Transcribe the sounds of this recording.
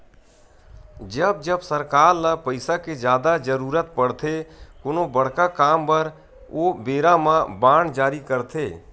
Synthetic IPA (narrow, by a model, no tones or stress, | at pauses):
d͡ʒəb̚d͡ʒəbsəɾkaːɾləpəɪsaked͡ʒjaːd̪ad͡ʒəɾuːɾət̪pəɽt̪ʰekʊnobəɽ̤kakaːmpəɾ | oːbeːɾãmãbaːɳd͡ʒaːɾikəɾt̪ʰeː